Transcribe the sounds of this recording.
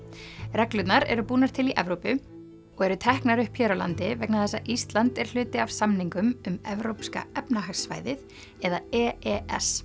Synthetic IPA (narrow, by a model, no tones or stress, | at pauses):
rɛklʏt̪naɾɛ̰ɾʏpuːnaɾ̥t̪ʰɪliʔɛvɾowpʏ | ɔɣɛɾʏt̪ʰɛhknaɾʏhpʰjɛːɾɔla̰nt̪ɪvɛknaðθɛsːaʔist̪lant̪ɛɾ̥l̥ʏːt̪ɪav̥samniŋkʏmʏmɛvɾowpska̰ɛpnaɦaxsva̰jðɪθ | ɛðaɛːɛɛ̰s